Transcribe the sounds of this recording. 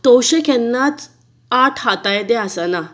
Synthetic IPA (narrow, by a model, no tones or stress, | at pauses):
t̪oɕekɛnːat͡s | aʈʰɦat̪ajed̪easana